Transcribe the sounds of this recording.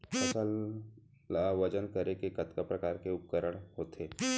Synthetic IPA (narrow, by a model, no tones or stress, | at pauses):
ɐsəlː | ʋəd͡ʒənkəɾekekɐt̪kapɾɐkaːɾkeʊp̚kəɾəɽɦoːt̪eː